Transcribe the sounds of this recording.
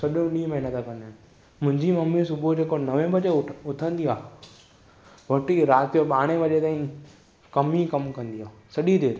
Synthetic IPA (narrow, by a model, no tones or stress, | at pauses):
sɐɗjũɗĩːmɐɦɪnət̪akɐ̃nd̪aːn | mʊ̃ɦɪ̃ɲd͡ʑimɐmːisʊbʱod͡ʑeːkonɐʋẽbɐd͡ʑeʊt̪ʰə̃nd̪iaː | ʋɐʈiɾaːt̪oɓaːɽ̃eʋɐʄet̪aːĩ | kɐmikɐmkɐ̃nd̪iaːsɐɗid̪eːt̪